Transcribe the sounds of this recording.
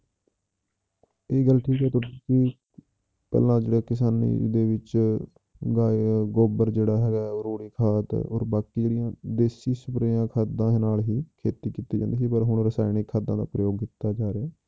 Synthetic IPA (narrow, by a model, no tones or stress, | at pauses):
eːɡəlʈʰiːkɦɛːt̪ʊikɪ | pɛ̰ːlãːd͡ʒeːɽeːkɪs̬aːnḭːd̪eːʋɪt͡ʃ | ɡaːɡoːbəɾd͡ʒeːɽaːɦɛːɡaːoɾoːɽiːkʰaːt̪o̰ːɾbaːkiːd͡ʒeːɽɪjãːd̪eːsiːsʊpɾeːãːkʰaːd̪ãːnaːlɦiːkʰeːt̪iːkiːt̪iːd͡ʒãːnd̪iːsiːpəɾɦʊɳɾəsaːɪnɪkʰːaːd̪ãːd̪a̰ːpɾəjoːɡ̚kit̪aːd͡ʒaːɾeaː